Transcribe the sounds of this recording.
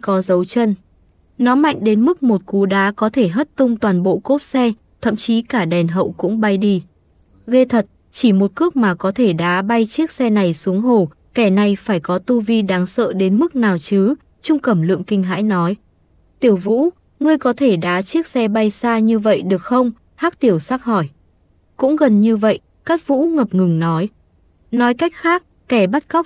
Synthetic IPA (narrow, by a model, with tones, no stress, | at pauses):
kɔ˨˦zə˨˦wt͡ɕə˧n | nɔ˨˦ma̰˧˨jŋ̟ɗe˨˦nmɨ˦˥k̚mo˨˩t̚ku˨˦ɗaː˨˦kɔ˨˦t̪ʰe˧˩ɦə˦˥t̚t̪ʊ˧ŋ͡mt̪waː˨˩nɓo̰˧˨ko˦˥t̚sɛ˧ | t̪ʰə̰˧˨mt͡ɕi˨˦kaː˧˩ɗɛ˨˩nɦə̰˧˨wkʊ̰˧˥ŋ͡mɓa˧jɗi˧ | ɣe˧t̪ʰə˨˩t̚ | t͡ɕi˧˩mo˨˩t̚kɨ˦˥ək̚maː˨˩kɔ˨˦t̪ʰe˧˩ɗaː˨˦ɓa˧jt͡ɕi˦˥ək̚sɛ˧na˨˩jsu˨˦əŋɦo˧˩ | kɛ˧˩na˨˩jfaː˧˩jkɔ˨˦t̪u˧vi˧ɗaː˨˦ŋsə̰ː˧˨ɗe˨˦nmɨ˦˥k̚naː˨˩wt͡ɕɨ˨˦ | t͡ɕʊ˧ŋ͡mkə˧˩mlɨ̰˧˨əŋkï˧ŋ̟ɦa̰ː˧˥jnɔ˨˦j | t̪i˧˩əwvṵ˧˥ | ŋɨ˧əjkɔ˨˦t̪ʰe˧˩ɗaː˨˦t͡ɕi˦˥ək̚sɛ˧ɓa˧jsaː˧ɲɨ˧və̰˧˨jɗɨ˨˩ək̚xə˧wŋ͡m | haː˦˥k̚t̪i˧˩əwsaː˦˥k̚hɔ˧˩j | kʊ̰˧˥ŋ͡mɣə˨˩nɲɨ˧və̰˧˨jʔ | kaː˦˥k̚vṵ˧˥ŋə˨˩p̚ŋɨ˨˩ŋnɔ˨˦j | nɔ˨˦jka˦˥jk̟̚xaː˦˥k̚ | kɛ˧˩ɓa˦˥t̚kɔ˦˥p̚